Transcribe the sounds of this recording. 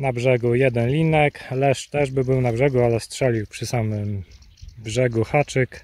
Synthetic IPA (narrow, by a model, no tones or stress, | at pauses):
nabʐɛɡujɛd̪ɛnlʲinɛklɛʂt̪ɛʐbɘbɘwnabʐɛɡualɛst̪ʂɛlʲiwpʂɘsamɘm | bʐɛɡuxat͡ʂɘk